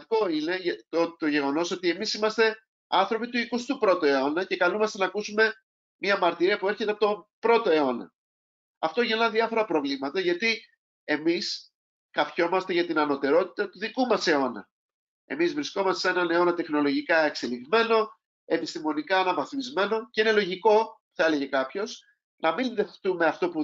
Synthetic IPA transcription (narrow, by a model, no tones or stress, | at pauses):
t̪iko̞ine̞ʝɐot̪o̞ʝe̞ɣo̞no̞so̞t̪ie̞misimɐst̪e̞ | ɐnθɾo̞pit̪uikust̪upɾo̞t̪oe̞o̞nɐce̞kɐlumɐst̪enɐkusume̞ | mɲɐmɐɾt̪iɾiɐpue̞ɾçe̞t̪eɐpot̪o̞pɾo̞t̪o̞e̞o̞nɐ̰ | ɐft̪o̞ʝenɐðiɐfo̞ɾɐpɾo̞vlimɐt̪ɐʝɐt̪i | e̞mis | kɐfço̞mɐst̪e̞ʝɐt̪inɐno̞t̪e̞ɾo̞t̪i̥t̪ɐt̪uðikumɐse̞o̞nɐ̰ | e̞̰mizvɾisko̞mɐst̪esenɐne̞o̞nɐt̪e̞xno̞lo̞ʝikɐekseliɣme̞no̞ | e̞pist̪imo̞nikɐːnɐvɐθimizme̞no̞ceine̞lo̞ʝiko̞ | θɐe̞le̞ʝe̞kɐpço̞s | nɐminðe̞ft̪ume̞ɐft̪o̞pu